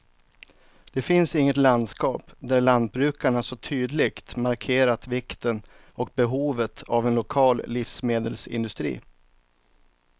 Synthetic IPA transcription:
d̪̥ɛfɪnsɪŋːət̪land̪skɑːpd̪æɭand̪̚bɾʉ̟ːkaɳasɔt̪ʰyːd̪lɪɡt̪maɾkʰeːɾat̪vɪkt̪ən | ɔk̚bɛɦuːvət̪ʰavɛnlʊkʰɑːlːɪfsmeːd̪əlsɪ̰nd̪ɵst̪ɾḭː

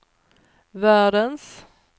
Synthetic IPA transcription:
væːɖəns

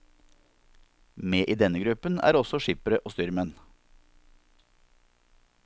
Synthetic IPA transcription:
meːʔiːd̪ɛnəɡɾʉpənæ̰ːɾɔsɔʃɪpəɾəʔoːst̪ʏɾmɛn

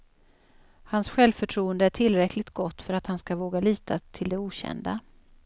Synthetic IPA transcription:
hansɧɛlvfœʈʰɾuːənd̪əæʈʰɪlːɾɛkʰlɪɡ̚t̪ɡɔt̪ːfœɾat̪hanskavoːɡaliːt̪ʰat̪ʰɪld̪ɛuːɕɛ̰nd̪a̰

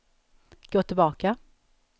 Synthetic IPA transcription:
ɡ̥oːt̪ʰɪlbɑːka

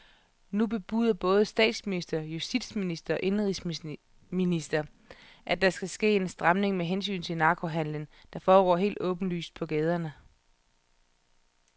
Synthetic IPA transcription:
nub̥e̝b̥uðˠɐb̥ɔ̽ːð̞̩ˠsd̥ɛ̰ːd̥sminisd̥ɐjusd̥id̥sminisd̥ɐɒ̽ʔe̝nʁis | minisd̥ɐ | ʔæd̥ɑ̈sɡ̥æsɡ̥e̝̰ːe̝nsd̥ʁɑmne̝ŋmeɦens̬y̰ːnt͡sʰe̝lnɑ̈ːkʰo̝ɦæn̰lənd̥ɑ̈fɒːɡ̥ɒ̰ːɦe̝̰ːld̥ɔ̰̽ːb̥n̩ly̰ːsd̥̚pʰɒ̽ɡ̥eːð̞ˠɐnə

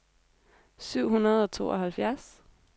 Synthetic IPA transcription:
syʊ̰ɦunɐð̞ˠɒ̽t͡sʰo̝̰ːɒɦælfjæɐs

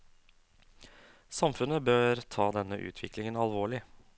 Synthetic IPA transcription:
sɑmfʉnəbøːɾt̪ʰɑːd̪ɛnːəʔʉ̰ːt̪ʰʋɪklɪŋənɑlʋoːɭɪ

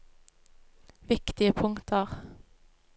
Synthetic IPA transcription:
ʋɪkt̪ɪəpʰʊŋt̪ʰəʁ

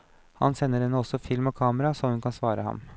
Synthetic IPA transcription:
hɑ̰nsɛnːəɾɛnːəɔsːɔfɪlmɔkʰɑːməɾɑsɔmhʉnkʰɑnsʋɑːɾəhɑ̰m

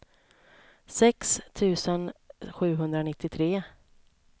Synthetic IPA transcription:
sɛkst̪ʰʉ̟ːsənɧʉ̟ːɦɵnd̪ɾanɪt̪ːɪt̪ʰɾeː

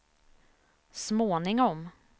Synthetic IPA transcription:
smoːnɪŋɔm

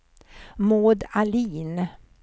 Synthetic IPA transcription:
moːd̪aliːn

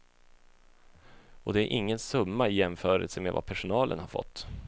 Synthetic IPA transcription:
ʔɔd̪ɛæɾʔɪŋːənsɵmːaɪjɛmfœːɾə̰lsəmḛva̰pʰæʂʊnɑːlʔə̰nhaɾfɔ̰t̪ː

